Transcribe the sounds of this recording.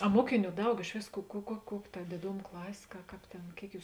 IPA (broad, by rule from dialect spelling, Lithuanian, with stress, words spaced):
ɐ ˈmuɔkʲɪˌnʲuː ˈdɐʊk ɪʃ ˈʋʲeːs kʊ kʊ kuɔ ˈkuɔkʲ tɐ dʲeːˈdoːm ˈklˠɑːsʲeː kɐ ˈkɑːp tʲeːn ˈkʲeːɪk ˈjuːs